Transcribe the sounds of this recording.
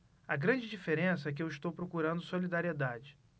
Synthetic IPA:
ɐɡɾɐ̃d͡ʒɪd͡ʒifeɾẽsɐɛk̬ɪewiʃt̪owpɾokuɾɐ̃nd̪ʊsolid̪aɾied̪ad͡ʒɪ

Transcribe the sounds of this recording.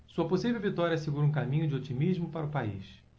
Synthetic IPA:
suɐposivewvit̪ɔɾiɐseɡuɾũk̬amĩɲʊd͡ʒɪot͡ʃimiʒmʊpaɾɐʊpaḭʃ

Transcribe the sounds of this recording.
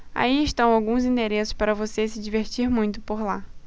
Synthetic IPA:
a̰iɪʃt̪ɐ̃w̃awɡũzĩd̪eɾesʊ̥spaɾɐvosesɪd͡ʒiveɾt͡ʃiɾmũj̃t̪ʊpoɾla

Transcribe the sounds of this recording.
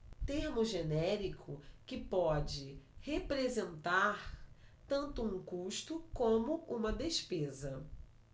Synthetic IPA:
t̪eɾmʊʒenɛɾikʰʊkɪpɔd͡ʒɪhepɾezẽnt̪aɾt̪ɐ̃nt̪ʊũŋkuʃt̪ʊkõmʊũmɐd̪eʃpezɐ

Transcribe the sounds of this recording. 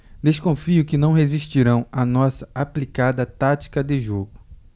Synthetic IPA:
d̪eskõfiʊkɪnɐ̃w̃ɦeziʃt͡ʃiɾɐ̃w̃anɔsɐaplikad̪ɐt̪at͡ʃi̥kɐd̪ɪʒoɡʊ

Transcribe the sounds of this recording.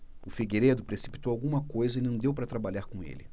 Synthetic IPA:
ʊfiɡeɾed̪ʊpɾesi̥pi̥t̪owawɡũmɐkojzɐinɐ̃d̪ewpɾɐt̪ɾabaʎaɾkõḛlɪ̰

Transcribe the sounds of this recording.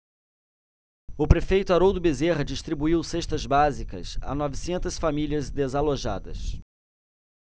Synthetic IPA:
ʊpɾefejt̪ʊaɾowd̪ʊbezeʁɐd͡ʒiʃt̪ɾibuiwseʃt̪ɐzbazikɐ̰sa̰nɔvisẽnt̪ɐsfamiliɐzd̪ezaloʒa̰d̪ɐ̰s

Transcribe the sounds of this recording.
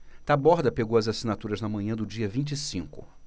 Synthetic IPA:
t̪abɔɾd̪ɐpeɡowɐzasinat̪uɾɐznɐmɐ̃ɲɐ̃d̪ʊd͡ʒiɐvĩnt͡ʃisĩŋkʊ̰

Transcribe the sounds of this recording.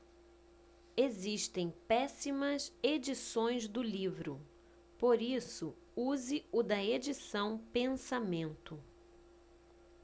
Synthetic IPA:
eziʃt̪ẽj̃pɛsimɐzed͡ʒisõj̃zd̪ʊlivɾʊ | poɾisʊ | uzɪʊd̪ɐed͡ʒisɐ̃w̃pẽsamẽnt̪ʊ

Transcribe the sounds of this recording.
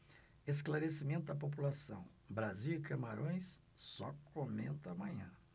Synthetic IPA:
esklaɾesimẽnt̪ʊd̪ɐp̬op̬ulasɐ̃w̃ | bɾaziikɐmaɾõj̃s | sɔkʰomḛ̃nt̪amɐ̃ɲɐ̃

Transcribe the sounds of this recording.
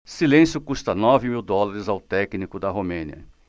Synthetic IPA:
silẽsjʊkust̪ɐnɔvɪmiwd̪ɔlaɾɪzawt̪ɛknikʊd̪ɐɦomẽniɐ̰

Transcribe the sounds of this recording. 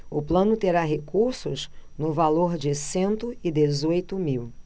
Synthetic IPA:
ʊplɐ̃nʊt̪eɾaɦekuɾsʊznʊvaloɾd͡ʒɪsẽnt̪ʊɪd̪ezojt̪ʊmiw

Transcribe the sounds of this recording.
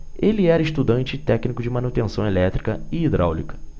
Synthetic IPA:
elɪɛɾɐɪiʃt̪ud̪ɐ̃nt͡ʃɪt̪ɛknikʊd͡ʒɪmɐ̃nut̪ẽsɐ̃w̃elɛt̪ɾikɐɪid̪ɾʔa̰wlikɐ̥

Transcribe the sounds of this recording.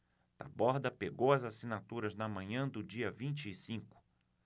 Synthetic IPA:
t̪a̰bɔɾd̪ɐpeɡowɐzasĩnat̪uɾɐznɐmɐ̃ɲɐ̃d̪ʊd͡ʒiɐvĩnt͡ʃɪːsĩkʊ̥

